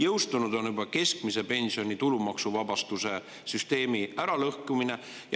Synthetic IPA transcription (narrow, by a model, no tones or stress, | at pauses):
jɤwst̪unud̪̥o̞njubɑke̞skmise̞pe̞nsio̞nʲit̪ulumɑksuvɑbɑst̪use̞ | syst̪e̞ːmiæɾɑlɤhkumine̞ | j